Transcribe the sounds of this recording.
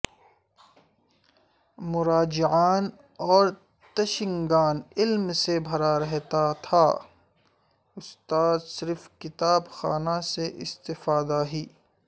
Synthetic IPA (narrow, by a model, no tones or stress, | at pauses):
mʊɾaːd͡ʒɪʕaːn | ɔːɾ | t̪ɐʃɪŋɡaːnɪlmsebʱɐɾaɾɛɦt̪at̪ʰa | ʊst̪aːd̪sɪɾfkɪt̪aːbxaːnaseʔɪst̪ɪfaːd̪aɦiː